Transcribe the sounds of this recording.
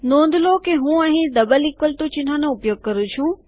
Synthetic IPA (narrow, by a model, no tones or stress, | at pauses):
nõːnd̪ʱlokeɦũːɐɦĩd̪ɐbəlɪkʋəlt̪ũt͡ʃɪn̤ãnoʊpjoːɡ̚kəɾut͡ʃʰũ